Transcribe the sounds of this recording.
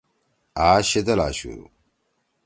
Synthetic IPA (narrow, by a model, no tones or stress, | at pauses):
aːɕed̪ɐla̰ɕṵ